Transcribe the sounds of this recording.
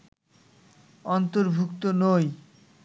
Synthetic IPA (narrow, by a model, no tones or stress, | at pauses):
ɔnt̪oɾbʱukt̪onoj